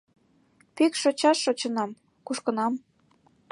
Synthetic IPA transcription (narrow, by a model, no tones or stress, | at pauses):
pikʃot͡ɕɑʃːot͡ɕə̆nɑm | kuʃkɤ̆nɑm